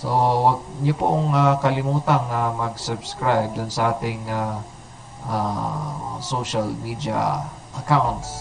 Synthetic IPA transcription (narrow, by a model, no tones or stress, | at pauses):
sowɐɡ̚ɲʊpoʔoŋakɐlɪmuːt̪ɐŋːɐmɐɡsʊbskɹajb̚d̪ʊnsɐʔaːt̪ɪŋa | ʔa | soʃalmid̪jɐ̰ | ʔɐkawnt̪s